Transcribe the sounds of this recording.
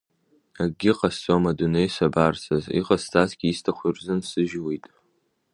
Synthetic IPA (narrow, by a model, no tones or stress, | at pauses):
aɡʲɪqʼasamadunejsabarsʰazḭqʼastʰʼasɡʲiːstʰaχʷirzɨnsɨʒwejtʼ